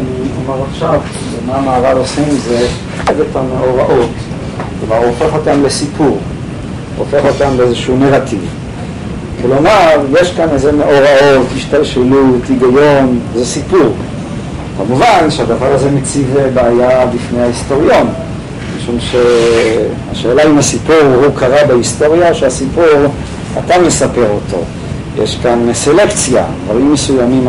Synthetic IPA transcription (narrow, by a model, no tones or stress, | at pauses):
aniomaʁaχʃav | mamaːvadosimze | evetʰameoʁaʔot̪ | klomaʁuofeχot̪amlesipʰuʁ | uofeχot̪amleezeʃuneʁat̪iv | klomaʁjeʃkanezemeʔoʁaot̪hiʃt̪alʃelut̪iɡajonzesipuʁ | kamuvanʃead̪avaʁazemet͡sivebaːjabifnejhaist̪o̞ʁijo̞n | miʃumʃe | a̰ʃe̞ːlaimhasipuʁhukaʁabehist̪o̞ʁjaʃeasipuʁ | a̰t̪amesape̞ʁotʰo̞̰ | jḛʃkanselekt͡sja̰dvaʁimːesujamim